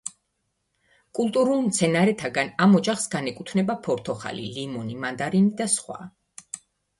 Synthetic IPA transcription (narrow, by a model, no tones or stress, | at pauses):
kʼulˠt̪ʼuɾulˠmt̪sʰɛnaɾɛt̪ʰaɡanamɔd͡ʒaχsɡanɛkʼut̪ʰnɛbapʰɔɾt̪ʰɔχa̰lḭlimɔnimand̪aɾinid̪asχwa̰